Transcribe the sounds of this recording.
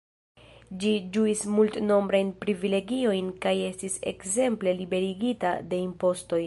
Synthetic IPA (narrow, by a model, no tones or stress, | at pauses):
d͡ʒid͡ʒuismultno̞mbɾajnpɾivile̞ɡio̞jnkaje̞stise̞̰kze̞mple̞libe̞ɾiɡitade̞impo̞sto̞j